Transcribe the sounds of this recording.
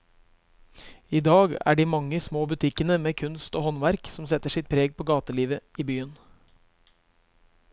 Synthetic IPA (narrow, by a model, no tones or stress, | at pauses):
iːd̪ɑːɡæ̰ːɖiːmɑŋːəsmoːbʉt̪ʰɪkənəmeːkʰʉnst̪oːhɔnʋæɾksɔmsɛt̪ːəʂɪt̪̚pʰɾeːɡ̚pʰoːɡɑːt̪əliːʋəiːbyːən